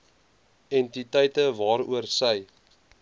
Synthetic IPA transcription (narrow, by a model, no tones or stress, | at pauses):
ɛntitəjtəvɑːɾṵərsəj